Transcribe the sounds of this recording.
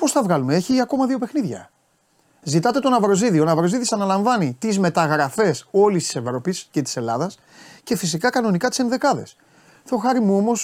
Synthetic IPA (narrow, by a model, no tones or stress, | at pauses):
po̞sθɐvɣɐlumeeçiɐko̞mɐðio̞pe̞xniðʝɐ̰ | zit̪ɐt̪e̞t̪onɐvɾo̞ziðio̞nɐvɾo̞ziðisɐnɐlɐɱvɐnit̪izme̞t̪ɐɣɾɐfe̞so̞list̪i̥se̞vɾo̞pisce̞t̪i̥se̞lɐðɐs | ce̞fis̬ikɐkɐno̞nikɐt̪isenðe̞kɐðe̞̰s | θoxɐɾimuo̞mo̞s